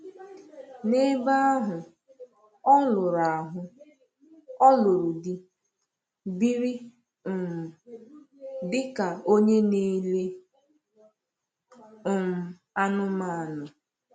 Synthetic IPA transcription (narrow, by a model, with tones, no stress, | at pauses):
ne˦ba˦a˦ɦʊ˨ | ɔ˦lʊ˨ɾa˨a˨ɦʊ˦ | ɔ˦lʊ˨ɾʊ˨di˦ | bi˦ɾi˦˨ | m̩˨ | dɪ˦ka˨o˦ɲe˦ni˦le˦ | ʊ˨m̩˨ | a˦nʊ˦ma˦˨nʊ˨